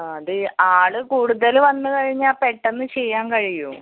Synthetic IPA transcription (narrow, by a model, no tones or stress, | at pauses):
ɐðɨaːɭɨkuːɽuðɐlʋɐnːɨkɐɻiɲːaːpeʈːenːɨt͡ɕejːaːnkɐɻijum